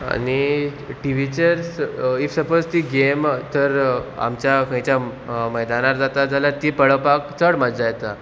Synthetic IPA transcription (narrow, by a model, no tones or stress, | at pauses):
a̰ni | ʈiʋit͡ɕeɾsifsəpod͡zt̪iːɡemt̪əɾa̰mt͡ɕjakə̃jt͡ɕjaməjd̪anaɾd͡zat̪ad͡zʱalat̪iːpəɭəpakt͡səɽməd͡ʑd͡zajt̪a